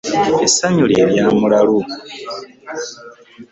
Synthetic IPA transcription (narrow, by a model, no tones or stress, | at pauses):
esaɲuleːɾjaːmulalu